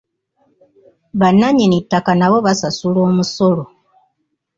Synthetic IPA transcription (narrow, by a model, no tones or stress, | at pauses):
βanːaɲinitːakanaβo̞βasasulo̞ːmuso̞lo